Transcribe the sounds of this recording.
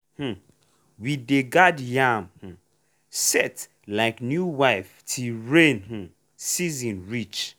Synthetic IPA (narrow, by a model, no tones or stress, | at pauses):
h̩ | wideɡadjamh̩ | sɛt | laɪknjuwaɪftʰiɹẽnh̩ | sizĩnɹit͡ʃ